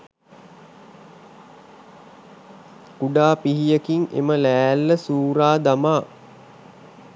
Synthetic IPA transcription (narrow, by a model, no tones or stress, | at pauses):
ɡuɖaːpiɦijəkiŋḛməlæːlːəsuːɾaːd̪amaː